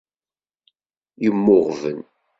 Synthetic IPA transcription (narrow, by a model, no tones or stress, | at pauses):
jəmːʊʁvən